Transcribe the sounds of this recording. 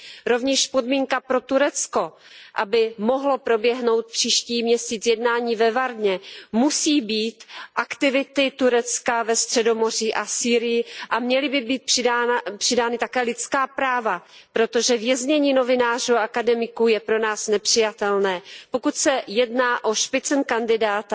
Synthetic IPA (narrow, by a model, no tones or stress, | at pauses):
ɾo̞vɲɛʃpo̞dmiːŋkapɾo̞t̪uɾɛt͡sko̞ | ʔabɪmo̞ɦlo̞pɾo̞bjɛɦno̞wt̪̚pr̝̥iːʃciːmɲɛsiːt͡sjɛdnaːɲiːvɛvaɾdɲɛmusiːbiːt̪ʔakt̪ɪvɪt̪ɪt̪uɾɛt͡skavɛst̪r̝̥ɛdo̞mo̞r̝iːʔasiːɾɪjɪʔamɲɛlɪbɪbiːt̪̚prɪapr̝̥ɪdaːnɪt̪akɛːlɪt͡skaːpɾaːvapɾo̞t̪o̞ʒɛvjɛzɲɛɲiːno̞vɪnaːr̝uaʔakadɛmɪkujɛpɾo̞naːsnɛpr̥ɪjat̪ɛlnɛːpo̞kut̪sɛjɛdnaːʔo̞ʃpɪt͡snkandɪdaːt̪